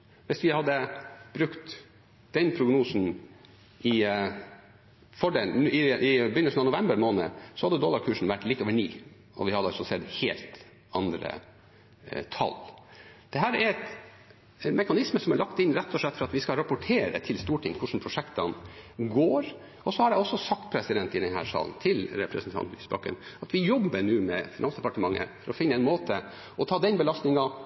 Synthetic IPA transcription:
ʋɪsʋɪhɑd̪ːəb̥ɾʉkt̪ | d̪̥ɛnpʰɾʊɡnuːsn̩ | ʔɪ | fɔɖelɪʔɪbʏnəlsn̩ɑnʊʋɛmbəɾmoːnə̰sɔhɑd̪ːəd̪ɔːlɑɾkʰʉːʂɳ̩ʋæʈːlɪt̪ːoːʋəɳiː | ɔ̰ʋɪhɑd̪əɑlsɔsɛd̪heːlt̪ | ɑnd̪ɾə̰ | t̪ʰɑ̰ld̪̥ɛɦæːɾæɾɛt̪ | mɛkɑnɪsməsɔmæɭɑkt̪ɪnɾɛt̪ʰːɔʂɭɛt̪ːfɔɾɑt̪ʋɪskɑɾɑpʊʈʰeːɾə̰t̪ʰɪlst̪uːʈʰɪŋːkʰʊʂɳn̩pʰɾʊʂɛkt̪ɑnɡoːɾ | ɔsɔhɑɖɛɔsːɔsɑk̚t̪̚pʰɾɛsɪd̪ɛnt̪ɪd̪ɛnhæ̰ːɾʂɑ̰ːln̩t̪ʰɪlɾɛpɾəsnt̪ʰɑ̰nt̪ɪsbɑ̰kə̰nɑt̪ʋɪjɔbːəɳʉːmɛfɪnɑnsd̪ɛpɑʈəmɑŋːə̰fɔɾɔfɪnːəɛɪnmoːt̪ʰə | ɔt̪ʰɑːd̪ɛnbəlɑst̪nɪŋɑ

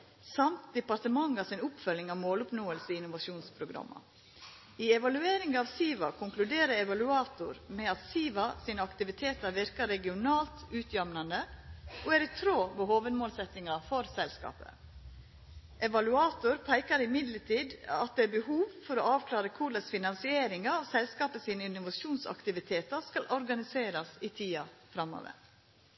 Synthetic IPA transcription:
sɑmt̪̚d̪ɛpɑɾt̪əmɑŋːɑsɪnʊpfœlɪŋɑʋmoːlʊpnoːəlsəɪɪnʊʋɑʃuːnspʰɾʊɡɾɑ̰mːʔɑ̰ | iːɛʋɑlʉeːɾɪŋɑːʋsiːʋɑkʰʊŋklʉd̪eːɾəɾɛʋɑlʉɑːt̪ʊɾmɛɑt̪siːʋɑsiːnəɑkt̪ɪʋɪt̪ʰeːt̪əɾʋɪɾkɑɾɛɡɪʊnɑːlt̪ʉːt̪ʰjœmnɑnd̪əʔoæɾɪt̪ʰɾoːʋohoːʋəd̪moːlsɛt̪ːɪŋɑfɔɾsɛlskɑ̰ːpə̰ | ʔɛʋɑlʉɑːt̪ʊɾpʰæɪkɑɾɪmɪd̪ləʈʰiːd̪ɑ̰t̪̚d̪ɛæbəhuːʋfɔɾɔɑːʋkʰlɑːɾəkʰuləsfɪnɑnsɪeːɾɪŋɑɔsɛlskɑːpəsiːnəɪnʊʋɑʃuːnsɑ̰kt̪ɪʋɪt̪ʰeːt̪əɾskɑlʔɔɾɡɑnɪseːɾɑsiːt̪ʰiːɑ̰fɾɑmːo̰ːʋə̰ɾ

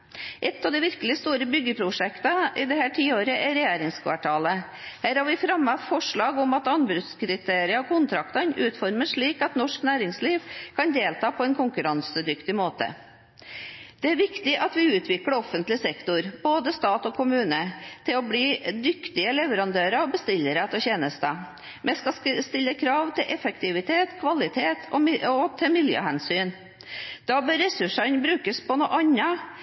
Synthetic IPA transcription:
ʔɛt̪ːɑʋd̪ɛɪʋɪɾkəlɪst̪uːɾəbʏɡːəpʰɾʊʂɛkt̪ɑʔɪd̪ɛhæːʈʰiːoːɾəʔɛɾɛjeːɾɪŋskʰʋɑ̰ʈʰɑːlə | hæːɾhɑɾʋɪfɾɑmɑfɔʂɭɑːɡʊmɑt̪ɑnbɾʉt̪skɾɪt̪ʰeːɾɪɑɔkʰʊnt̪ʰɾɑkt̪ɑnʉːt̪fɔɾməʂɭiːkɑt̪nɔʂknæːɾɪŋsliːʋkʰɑnd̪eːlt̪ʰɑːpʰɔɛnkʊŋkʉɾɑnsəd̪ʏkt̪ɪmoːt̪ə̰ | d̪̥ɛæɾʋɪkt̪ɪʔɑt̪ʋɪʉːt̪ʰʋɪkəɽɔfənt̪lɪsɛkt̪ʊɾboːd̪əst̪ɑːt̪ɔkʰʊmʉːnət̪ʰɪlɔbliːd̪ʏkt̪ɪəlɛʋəɾɑnd̪øːɾəɔbəst̪ɪlːəɾət̪ɔçeːnəst̪ə | mʔɛskɑst̪ɪlːəkʰɾɑːʋt̪ʰɪlʔɛfəkt̪ɪʋɪt̪ʰeːt̪kʰʋɑlɪt̪ʰeːt̪ʰɔɔt̪ʰɛmɪljø̰ːhænsyːn | d̪̥ɑːbœːɾːɛsʉʂɑnbɾʉːkəspʰɔnuːʔɑɲɑ

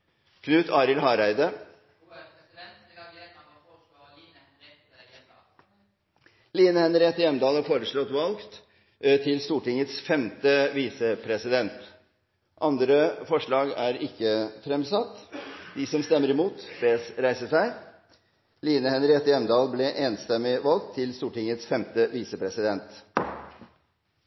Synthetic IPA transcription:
kʰnʉːt̪ʰɑːɾɪlɦɑːɾæɪd̪ə | liːnəhɛnɾeːt̪ːəjɛmd̪ɑːlɑfoːɾəʂɭɔt̪ːʋɑlkt̪ | t̪ʰɪlst̪uːʈɪŋət̪sfɛmt̪əʋiːsəpʰɾɛsɪd̪ɛnt̪ | ʔɑnd̪ɾəfɔʂɭɑːɡæːɾɪkːəfɾɛmsɑt̪ːd̪ɪsɔmst̪ɛmːəɾɪmuːt̪beːsɾæɪsəʂæɪ | liːnəhɛnəɾɛt̪ːəjɛmd̪ɑːlblɛʔeːnst̪ɛmːɪʋɑlk̚t̪ʰːɪlst̪uːʈɪŋət̪sfɛmt̪əʋiːsəpʰɾɛsɪd̪ɛnt̪

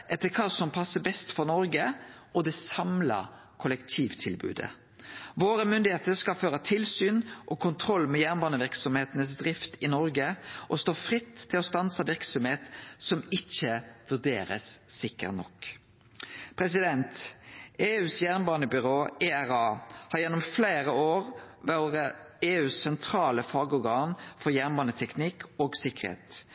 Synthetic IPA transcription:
ʔɛt̪ːəkʰɑːsɔmpʰɑsːəbɛst̪fɔnɔɾɡəɔd̪ɛsɑmlɑ̰ | kʰʊlɛkt̪ʰiːʋt̪ʰɪlbʉ̰ːd̪ə̰ | ʋoːɾəmʏnd̪ɪheːt̪əɾskɑlføːɾət̪ʰɪlsyːnʔɔkʰʊnt̪ʰɾɔlːmɛjæʁnbɑːnəʋɪʁksɔmheːt̪ənəsd̪ɾɪft̪ɪnɔɾɡəʔɔst̪oːfʁɪt̪ʰːɪlɔst̪ɑnsɑʋɪɾksɔmheːt̪sɔmɪçəʋʉʁd̪eːɾə̰sːɪkːə̰ʁnɔ̰k | pʰɾɛsɪd̪ɛnt̪eːʉːsjæʁnbɑːnəbʏʁoːeæʁɑːhɑɾjɛnːɔmfleːʁəoːʁ | ʋæʁəeːʉːssɛnt̪ʰɾɑːləfɑːɡɔɾɡɑːnfɔʁjæʁnbɑːnət̪ʰɛknɪkoːɡsɪkːəʁhḛːt̪

